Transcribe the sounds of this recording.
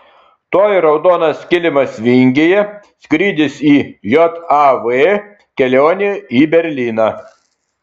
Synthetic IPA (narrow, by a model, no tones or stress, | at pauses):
t̪oːjɾɒʊd̪oːnɐsʲkʲɪlʲɪmɐsʋʲɪŋʲɡʲejɛ | sʲkɾʲiːd̪ʲɪsiːjɔt̪ɑʋe | kʲɛlʲoːnʲeiːbʲɛɾʲlʲiːnɑː